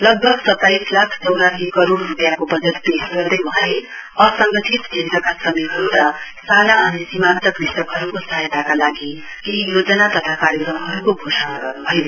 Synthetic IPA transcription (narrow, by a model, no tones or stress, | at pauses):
lʌɡ̚bʱʌɡsʌt̪ːajslakʰt͡sʌwɾaɦikʌɾoɽːupjakobʌd͡zʌt̪̚pesɡʌrd̪ʌjmʌleʌsʌŋɡʌt̪ʰit̪d͡ʒʱint̪ʌkasʌmiɦʌɾuɾʌsanaʌnisimant̪ʌkrisʈ̪ʌkɦʌɾukosʌɦajt̪akalaɡi | kijod͡zʌnat̪ʌt̪ʰakaɾjʌkrʌmɦʌɾukoɡʱosʌnaɡʌrnubʱʌj